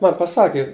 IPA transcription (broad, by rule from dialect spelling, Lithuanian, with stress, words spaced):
ˈmɐn pɐˈsɑːkʲɪ